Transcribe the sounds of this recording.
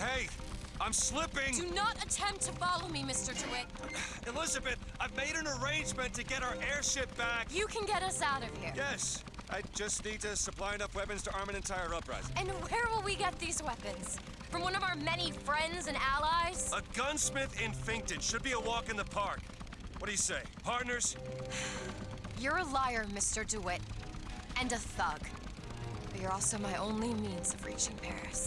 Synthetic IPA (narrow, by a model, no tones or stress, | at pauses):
heɪʔãɪ̃mslɪpɪ̃ŋdɨnəɾɨtʰɛ̃mp̚tʰɨfɑlˠoʊmimɪstə˞tʰʉɪt̚ | ɨlɪzɨbɨθaɪvmeɪɾɨ̃nə˞ẽɪ̃nd͡ʒmɨ̃ntʰɨɡɛɾaʊə˞ʔɛɹʃɪp̚b̥ækjɨkʰɨ̃nɡɛɾʌsaʊɾʌv̥hiɹjɛs | ʔaɪd͡ʒʌsnid̚tɨsɨpʰl̥aɪɨnʌfwɛpɨ̃nz̥tʰəʔɑɹmɨ̃nɨ̃ntʰaɪə˞ʌpɹa̰ɪzɨ̃nwə˞wɪlˠwiɡɛt̪̚ðizwɛpɨ̃nz̥ | fɹʌ̃mwʌ̃nʌvaʊə˞mɛnifɹɛ̃ndzɨ̃nælˠaɪz̥əɡʌ̃nsmɪθɪ̃ɱfɪ̃ŋk̚tɨd̥ʃɨd̚biəwɔkɨ̃nðəpʰɑɹk | wʌt̚d̥ɨjɨseɪpʰɑɹtⁿnə˞z̥ | jə˞əlɔɪə˞mɪstə˞duɪɾ | ɨ̃nɨθʌɡ̥ | b̥ʌtə˞ɔlˠsoʊmaɪʔõʊ̃nlimĩnz̥ʌvɹit͡ʃɪ̃npʰɛ̰ɹɨ̰s